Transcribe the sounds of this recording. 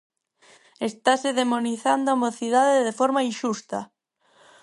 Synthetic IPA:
est̪aseðemoniθand̪oamoθiðaðeðefɔɾmainʃust̪a

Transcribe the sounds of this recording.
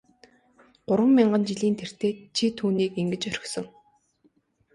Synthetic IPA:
ɢʊɾwə̆mːiɴɢə̆nt͡ɕiɮiːnt̪ʰer̥t̪eːt͡ɕʰit̪ʰuːniːkeŋɡɘ̆t͡ɕœɾʲɪ̆xsɞ̆ŋ

